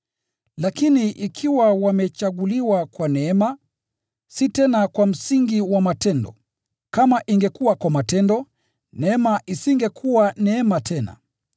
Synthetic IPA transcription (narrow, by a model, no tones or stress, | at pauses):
lakiniʔikʰiwawamɛt͡ʃaɠuliwakwanɛɛma | sitɛnakwam̩siŋɡiwamatɛndɔ̰ | kamaʔiŋɡɛkuwakwamatɛndɔ | nɛɛmaʔisiŋɡɛkʰuwanɛɛmatʰɛna̰